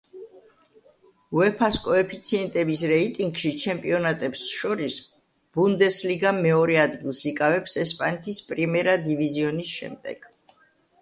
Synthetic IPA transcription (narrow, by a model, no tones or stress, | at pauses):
uɛpʰaskʼɔɛpʰit̪sʰiɛnt̪ʼɛbisɾɛit̪ʼiŋɡʃit͡ʃʰɛmpʼiɔnat̪ʼɛbsʃɔɾis | b̥und̪ɛsliɡamɛɔɾɛad̪ɡilˠsikʼavɛpsɛspʼanɛt̪ʰispʼɾimɛɾad̪iviziɔnisʃɛ̰md̪ɛ̰ɡ̥